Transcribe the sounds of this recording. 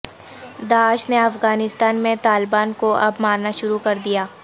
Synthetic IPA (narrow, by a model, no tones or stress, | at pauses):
d̪aːʃneɐfɣaːnɪst̪aːnmẽt̪aːlɪbaːnkoɐbmaːɾnaʃʊɾukɐɾd̪ijaː